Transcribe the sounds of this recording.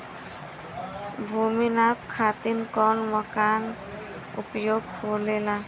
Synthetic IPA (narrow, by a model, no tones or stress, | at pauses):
bʱuminapkʰat̪inkɔnmɔkan | ṵpjoɡkolela